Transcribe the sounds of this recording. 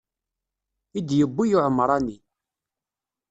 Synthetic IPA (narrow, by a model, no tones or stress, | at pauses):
id̪jəbːijuʕəmːɾˤɑni